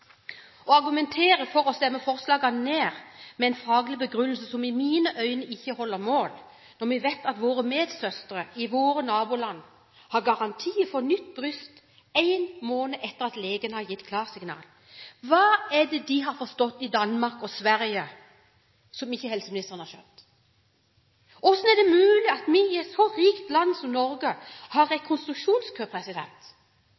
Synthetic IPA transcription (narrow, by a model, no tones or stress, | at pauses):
ɔɑɾɡʉmɛnt̪ʰeːɾəfɔɾɔst̪ɛmːəfɔɾslɑːɡɑnneːɾmɛɛɪnfɾɑːɡlɪbəɡɾʉnlsəsɔmɪmiːnəʔœʏnəɪçːəhɔlːəɾmoːl | nɔɾmɛʋeɪt̪ɑt̪ʋoːɾəmeːd̪sœst̪əɾəɪʋoːɾənɑːbʊːlɑnː | hɑɾɡɑʁɑnt̪ʰiːəfɔnʏt̪ːbɾʏst̪ | æɪnmoːnəʔɛt̪ːəɾɑt̪leːɡənəhɑɾjɪt̪ːkʰlɑːʁsɪɡnɑ̰ːl | ʋɑːɛd̪ɛd̪ɪɦɑɾfɔst̪ɔt̪ːɪd̪ɑnmɑɾkɔsʋæɾjə | sɔmɪçːəhɛlsəmɪnɪst̪əʁənhɑɕœp̚t̪ | ʔɔsnɛd̪ɛmʉʉːlɪɑt̪mɪɪɛt̪sɔɾiːkt̪lɑnsɔmnɔɾɡəhɑɾːɛkʰɔnst̪ɾʉkʃuːnskʰøːpʰɾɛsɪd̪ɛ̰nt̪